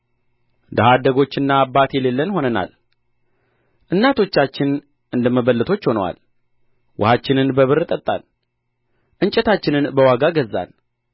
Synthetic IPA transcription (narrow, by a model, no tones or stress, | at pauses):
d̪aɦad̪əɡo̞t͡ʃːɨnːaːbːat̪jɛlelːənho̞nəna̰l | ʔɨnːat̪ʰo̞t͡ʃːat͡ʃːɪn | ʔɨnd̪əməβəlːɨt̪ʰo̞t͡ʃːho̞nəwa̰l | wʊ̰hat͡ʃːɪnɨnbəβɨɾt̪ʼət̪ʼːa̰l | ʔɨɲt͡ʃʼɛt̪at͡ʃːɪnɨnbəwaɡaɡəzːa̰n